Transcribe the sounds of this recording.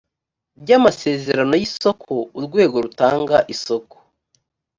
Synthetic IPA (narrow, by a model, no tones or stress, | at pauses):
bɟamase̞ːze̞ɾano̞jiso̞kʰo̞uɾɡwe̞ːɡo̞ɾutaːŋɡaʔiso̞ko̥